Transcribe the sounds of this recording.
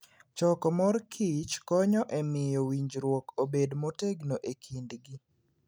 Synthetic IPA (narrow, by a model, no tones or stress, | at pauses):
t͡ʃɔkɔmɔrkʰit͡ʃkɔɲɔʔɛmɪjowiɲd͡ʒɾwokobedmoteɡnoʔekʰindɡi